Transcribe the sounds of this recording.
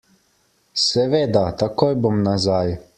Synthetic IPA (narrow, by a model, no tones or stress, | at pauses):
sɛʋeːd̪at̪akoːjbomnazaj